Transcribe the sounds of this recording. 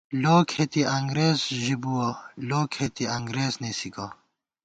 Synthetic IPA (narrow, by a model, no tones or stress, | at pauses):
loːkʰhet̪iʔɐŋɡɾeːzʒibuwɐloːkʰhet̪iɐŋɡɾeːznesikɐ